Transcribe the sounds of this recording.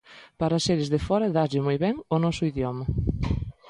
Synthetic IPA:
paɾɐseɾɪzðefɔɾɐðaʎɪmojβɛŋʊnɔsʊiðjɔmɐ

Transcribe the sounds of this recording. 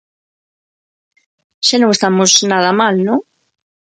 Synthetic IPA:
ʃanõŋest̪amʊsnaðɐmalnõŋ

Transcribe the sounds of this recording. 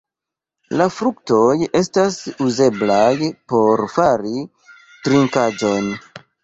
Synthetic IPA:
lafɾuk̚to̞je̞stasuze̞blajpo̞ɾfaɾi | tɾiŋkad͡ʒo̞n

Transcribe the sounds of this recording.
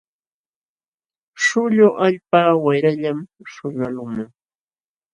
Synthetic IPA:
ʃʊʎʊʔaʎpaːwajɾaʎamʃʊɾalʊmaŋ

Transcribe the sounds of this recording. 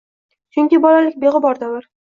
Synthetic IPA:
t͡ʃʰʊŋkʲɪbɒlalɪkʲbe̞ʁɪbɒɾd̪alaɾ

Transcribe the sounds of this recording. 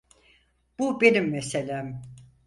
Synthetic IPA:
b̥ube̞nimːeselʲæːm

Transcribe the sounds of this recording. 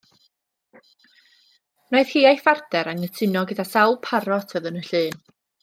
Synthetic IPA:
noɨðhiːajfardɛɾaŋətʰɪnɔɡədasawlˠpʰaɾɔtʰvəðənəɬɨːn

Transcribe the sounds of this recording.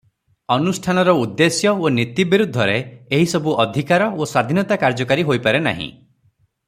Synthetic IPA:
ɔnusʈʰanɔɾɔud̪ːesjɔonit̪ibiɾud̪ʱːɔɾeeɦisɔbuʔɔd̪ʱikaɾɔoswad̪ʱinɔt̪akaɾd͡ʒɔkaɾiɦojpaɾena̰ɦḭ̃

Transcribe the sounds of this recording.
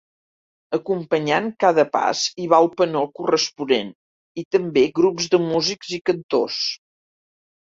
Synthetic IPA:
əkumpəɲaŋkaðəpa̰ziβaəlˠpənokurəspunen | it̪əmbeɣɾupzðəmuzikzikənt̪os

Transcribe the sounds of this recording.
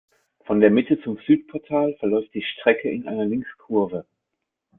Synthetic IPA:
fɔndeːɐmɪtət͡sʊmzyːtpʰɔɐtʰaːlfɛɐlɔʏft̚d̥iːʃtʁ̥ɛkʰəɪnʔa̰ɪnɐlɪŋkskʰʊɐvə

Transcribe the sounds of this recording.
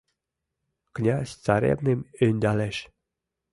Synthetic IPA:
knʲɑsʲt͡sɑɾʲḛbnemynʲd̪ɑleʃ

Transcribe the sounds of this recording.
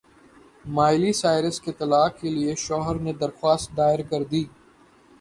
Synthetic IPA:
maːɪlisaːɪɾəsket̪ɐlaːkkelieʃɔːɦəɾned̪ɐɾxwaːst̪̚d̪aːɪɾkɐɾd̪iː

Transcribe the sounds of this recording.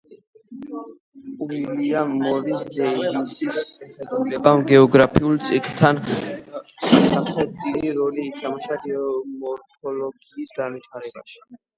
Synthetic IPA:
uiliammɔɾisd̪ɛilisisʃɛχɛd̪ulɛbamɡɛɔɡɾapʰiulˠt̪sʼikʼt̪ʰan | samχɾɛd̪̚iliɾɔliːt̪ʰamaʃaɡɛɔmɔɾpʰɔlɔɡiːsɡanvit̪ʰaɾɛba̰ʃi̥

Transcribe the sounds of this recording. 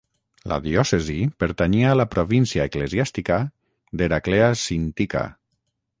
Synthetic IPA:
la̰ðiɔsezipeɾt̪aɲiaːlapɾoβinsiaeklezjast̪ika | d̪eɾakleasint̪ika̰

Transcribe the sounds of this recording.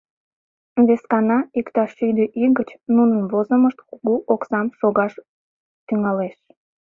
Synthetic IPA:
βeskɑnɑikt̪ɑʃyd̪əʔiɣət͡ɕnunənβozəməʃt̪kuɣuʔoksɑmʃoɣɑʃ | t̪yŋɑleʃ

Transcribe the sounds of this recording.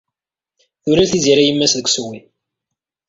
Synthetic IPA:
θuɾæθiziɾæjəmːæsðəɡʷswi

